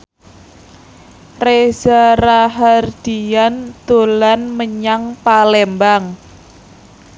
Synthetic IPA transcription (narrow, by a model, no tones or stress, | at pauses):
rez̥aɾaɦard̪̥iand̪̥o̤lanməɲaŋpalɛmbaŋ